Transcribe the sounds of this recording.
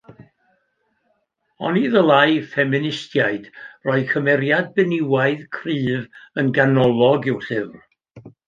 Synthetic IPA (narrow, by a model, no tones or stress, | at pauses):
ɔ̰niðəlˠajfɛmɪnɪstjaɨd̥rɔɨðkʰəmɛɾjad̚bɛnɪwaɨðkʰriːvənɡanɔlˠɔɡɪwɬɨvr